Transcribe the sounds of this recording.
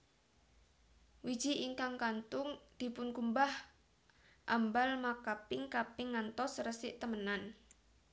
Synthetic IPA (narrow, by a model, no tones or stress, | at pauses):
wid̥ʒ̥i̤ʔiŋkaŋkant̪ʊŋd̪̥i̤pʊnkumbah | ʔambalmakapɪŋkapɪŋːant̪ɔsrəsɪʔt̪əmənan